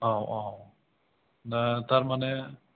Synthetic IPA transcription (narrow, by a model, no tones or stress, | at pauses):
awaw | nat̪aɾmane